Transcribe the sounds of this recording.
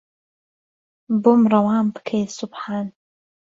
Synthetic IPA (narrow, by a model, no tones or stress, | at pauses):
bomrˤɑwaːmbɨ̥kʰejsʊbħaːn